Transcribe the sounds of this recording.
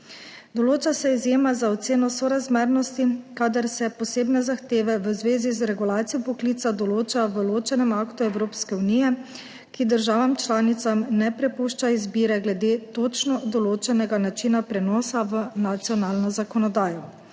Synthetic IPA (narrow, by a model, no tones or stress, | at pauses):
d̪ɔloːt͡ʃasɛizjeːmazaɔt̪seːnɔsɔɾazmeɾnɔst̪ikad̪aɾsɛpɔseːbnɛzaxt̪eːʋɛʋəzʋeːzizɾɛɡulaːt̪sijɔpɔkliːt̪sad̪ɔloːt͡ʃaʋəloːt͡ʃɛnɛmakt̪uɛwɾoːpskɛuniːjɛ | kid̪əɾʒaːʋamt͡ʃlaːnit̪samnɛpɾɛpuʃt͡ʃaizbiːɾɛɡlɛd̪eːt̪oːt͡ʃnɔd̪ɔloːt͡ʃɛnɛɡanat͡ʃinapɾɛnɔːsaʋənat̪sjɔnaːlnɔzakɔnɔd̪aːjɔ